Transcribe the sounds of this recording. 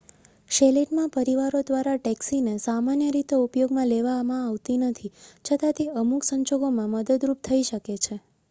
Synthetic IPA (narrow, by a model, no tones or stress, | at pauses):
ʃeleʈmãpəɾiʋaɾod̪ʋaɾaʈɛksinesamanjəɾit̪eupjoɡmãleʋamãːʋt̪inət̪ʰit͡ʃʰət̪ãt̪eəmuksəɲd͡ʒoɡomãməd̪əd̪ɾup̚t̪ʰəiʃəket͡ʃʰe